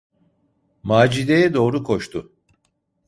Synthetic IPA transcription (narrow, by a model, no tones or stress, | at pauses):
maːd͡ʒid̪ejɛd̪o̞ːɾukʰo̞ʃt̪ʰʊ